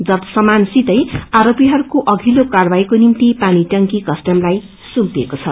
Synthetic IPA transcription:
d͡zʌt̪ʌ̥sʌmansit̪ʌjaɾopiɦʌɾukoʔʌɡʱilokarbaikonimt̪ipaniʈʌŋkikʌsʈʌmlaj | sumpekot͡sʰʌ

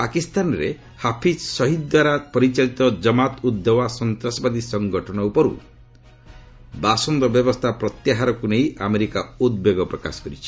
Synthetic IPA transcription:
pakist̪anɔɾḛ | hapʰissɔɦid̪d̪waɾapɔɾit͡ʃalit̪ɔd͡ʒɔmat̪ud̪ːɔwasɔnt̪ɾasɔbad̪isɔŋɡɔʈʰɔnɔupɔɾṵ | basɔnd̪ɔbjɔbɔst̪ʰapɾɔt̪jaɦaɾɔkuneiʔameɾikaud̪̚beɡɔpɾɔka̰sɔ̥kɔɾit͡ʃʰi̥

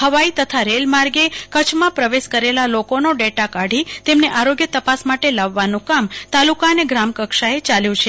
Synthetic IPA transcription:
həʋait̪ət̪ʰaɾelmaɾɡekət͡ʃʰmãpɾəʋeʃkəɾelalokonoɖeʈakaɽ̤it̪emneʔaɾoɡjət̪əpasmaʈelaʋːanũkamt̪alukaneɡɾamkəkʃaet͡ʃaljũt͡ʃʰe

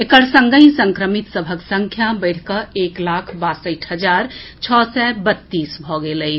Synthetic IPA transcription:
ekəɾsəŋɡəĩsə̃ŋkɾəmit̪səbʱəksəŋkʰjabəɪɽ̤kəeklakʰbasəʈʰɦəd͡ʒaɾt͡ʃʰɔsɛbət̪ːisbʱɔɡeləj

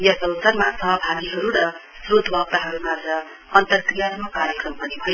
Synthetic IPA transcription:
jʌsʌlsʌrmasʌɦʌbʱaɡiɦʌɾuɾʌ | srod̪ʱbʱʌb̚t̪aɦʌɾumad͡zʌ | ʌnt̪ʌrkrijaɾmakaɾjʌkrʌmpʌnibʱʌjo

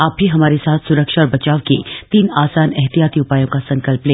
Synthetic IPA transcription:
aːp̚bʱiɦɐmaːɾesaːt̪ʰsʊɾəkʃaɔːɾbɐt͡ʃaːʋkḛt̪iːnaːsaːnɛɦt̪ijaːt̪iʊpaːjõkasɐ̃ŋkəlplẽː

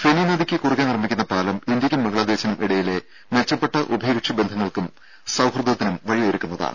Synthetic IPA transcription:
feninɐðikʲːɨkurikʲːanirɐmːikʲːunːɐpaːlɐmind̪jɐkʲːunmɐɡɐɭaːd̪eːɕɐnumʔiɽɐjile̞ | met͡ɕːɐpːe̞ʈːɐʔubʱɐjɡkʂɐbe̞nd̪ʱɐŋːɐɭkum | sɐwhrɐd̪ʱɐt̪ːinumʋɐɻiɐɾukʲːunːɐða̰ːɳɨ

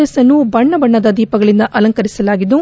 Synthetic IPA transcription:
ɐsɐnːubɐɳːɐbɐɳːɐd̪ɐd̪iːpɐɡɐɭind̪ɐʔɐlɐŋkɐɾisɐlaːɡid̪u

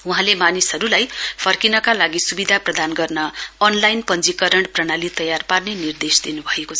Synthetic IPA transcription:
uɦãlemanisɦʌɾulajpʰʌrkinʌkalaɡisubid̪ʱaprʌd̪anɡʌrnʌːnlajnpʌnd͡zikʌɾʌɳprʌɽ̃alit̪ʌjarparnenird̪esd̪inubʱʌekot͡sʰʌ

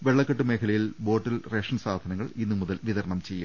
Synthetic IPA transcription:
ʋe̞ɭːɐkːɐʈːɨmeːkʰɐlɐjilbo̞ːʈːilreːʂɐnsaːd̪ʱɐnɐŋːɐɭinːumuðɐlʋiðɐɾɐɳɐmt͡ɕe̞jːṵm

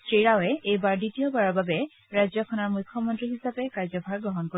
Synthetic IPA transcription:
sɹiɹawɛejbaɹditijɔbaɹɔɹbabɛ | ɹajzɔkʰɔnɔɹmujkʰːɔmɔntɹiɦisapɛkaɹzɔbʱaɹɡɹɔɦɔnko

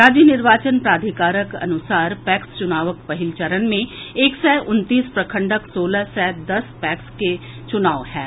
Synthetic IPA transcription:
ɾaːd͡ʒjənɪɾʋaːt͡ʃənpɾaːd̪ʱɪkaːɾəkɐ̰nʊsaːɾpɛːkst͡ʃʊnaːʋəkpɐɦɪlt͡ʃəɾənmẽeːksɛːʔʊnt̪iːspɾɐkʰə̃ɳɖəksoːlasɛːd̪ɐspɛːkske | t͡ʃʊnaːʋɦɛː

